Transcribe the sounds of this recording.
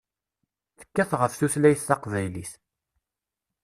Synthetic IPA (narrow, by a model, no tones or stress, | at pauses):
θə̥kːæθʁəfθuslæjθːɑqvæjliθ